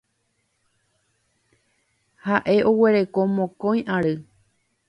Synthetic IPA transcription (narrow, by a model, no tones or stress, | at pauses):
haʔe̞ʔo̞we̞ɾe̞komõkõj̃ʔaɾɨ